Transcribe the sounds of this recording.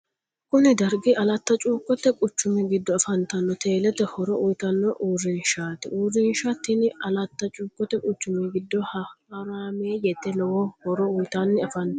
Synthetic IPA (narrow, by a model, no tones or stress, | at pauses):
kʊnɪd̪ɐɾɡɪɐlɐt̪ːɐt͡ʃʼuːkʼːɔt̪ːɛkʼʊt͡ʃːʊmɛɡɪd̪ːɔɐfɐnt̪ɐnːɔt̪ʰe̞ːlɛt̪ɛhɔɾɔʔʊjt̪ɐnːɔʔurːɪnʃaːt̪ɪurːɪnʃat̪ːɪnɪɐlɐt̪ːɐt͡ʃʼuːkʼːɔt̪ːɛkʼʊt͡ʃːʊmɛɡɪd̪ːɔhɐɾaːmeːjɛt̪ːɛlɔwɔhɔɾɔʊjt̪anːɪɐfɐnː